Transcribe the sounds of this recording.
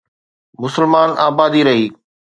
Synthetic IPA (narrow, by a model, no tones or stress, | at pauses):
mʊsəlmaːnʔaːbaːd̪iɾɐɦiː